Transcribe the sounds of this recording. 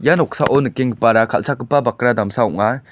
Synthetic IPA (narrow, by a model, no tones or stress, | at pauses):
ijanɔk̚saʔɔnɯkːeŋɡɯpaɾakʰa̰lt͡ʃʰakɯpːabakɾad̪amsaɔ̰ŋa